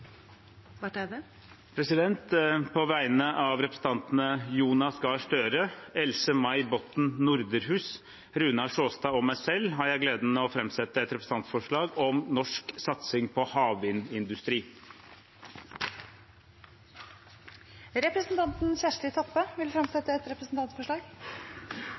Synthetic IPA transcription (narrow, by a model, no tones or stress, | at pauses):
ʋæ | pʰɾɛsɪd̪ɛnt̪pʰɔʋæɪnəʔɑʋɾɛpɾsn̩t̪ɑnt̪n̩əjuːnɑsɡɑːʂʈøːɾəɛlsəmɑɪbɔt̪n̩nʊɾd̪əɾɦʉːs | ɾʉːnɑʂoːst̪ɑːɔmæɪsɛlːɦɑɾjæɪɡleːd̪n̩məɔfɾɛmsɛt̪ːəɛt̪ɾɛpɾəsn̩ɑnt̪fɔʂɭɑːɡɔmnɔʂksɑt̪sɪŋpʰɔhɑːʋɪnɪnd̪ʉst̪ɾiː | ɾɛpɾəsn̩t̪ʰɑnt̪n̩çæʂɭɪt̪ʰɔpːəʋɪlfɾɛmsɛt̪ːəɛt̪ɾɛpɾəsn̩t̪ɑnt̪fɔʂɭɑːɡ